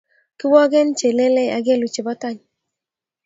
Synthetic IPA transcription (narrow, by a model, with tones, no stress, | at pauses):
kɪ˦wɔ˦ɡɛ˦nt͡ʃe˨le˦lɛ˦a˨ɡe˦˨lu˨t͡ʃe˨bɔ˦tɔ˦ɲ